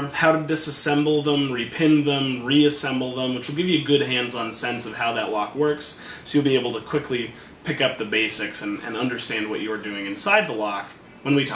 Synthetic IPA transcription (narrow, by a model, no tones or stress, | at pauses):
ʌ̥haʊɾɨdɪsɨsɛ̃mbl̩ˠðə̃mɹipʰɪ̃nðə̃mɹiɨsɛ̃mbl̩ˠðə̃mwɨt͡ʃwɨl̩ˠɡɪvjɨɡʊd̚ɦæ̃ndzn̩sɛ̃nsʌv̥haʊðəʔˡlɑkwɜ˞ks | soʊjɨlˠbieɪbl̩ˠtʰɨkʰw̥ɪkʰli | pʰɪkʌp̚ðɨbeɪsɪksɨ̃nɨ̰̃nʌ̃ndə˞stæ̃nd̚wʌ̰t͡ʃɨə˞dʉɪ̃ŋɨ̃nsaɪd̪̚ðəlɑk | wə̃nwitʰ